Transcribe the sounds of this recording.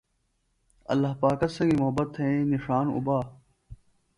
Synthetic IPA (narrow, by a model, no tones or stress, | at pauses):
ɐ̰lːaɦpaːkɐsɐ̃ɡiːmʊɦəbət̪ʰːeẽnɪʂaːnʊ̰baː